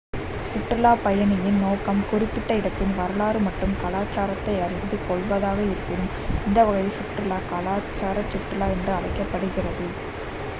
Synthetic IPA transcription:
sʊʈrɪlaːpɐjɐɳɪjɪnnoːkɐmkʊrɪpːɪʈːɐɪɽɐt̪ːɪnʋɐɾɐlaːɾɯmɐʈːɯmkɐlaːt͡ʃːaːɾɐt̪ːɐɪɐɾɪnd̪ɯkɔɭʋɐðaːɣɐɪɾɯpːɪnɯm | ɪnd̪ɐʋɐɣɐjsʊʈɾɪlaːkɐlaːt͡ʃːaːɾɐt͡ʃːʊʈrɪlaːɛndrɯɐɭɐɪkːɐpːɐɽɯɣɪrɐðɯ

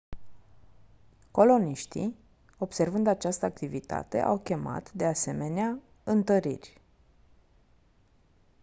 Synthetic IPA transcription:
ko̞lo̞niʃt̪ḭ | o̞b̥se̞rvɨnd̪at͡ʃast̪əak̚t̪ivit̪a̰t̪e̞̰ʔawkʲe̞ma̰t̪d̪e̞ase̞me̞nea | ɨnt̪əɾḭrʲ

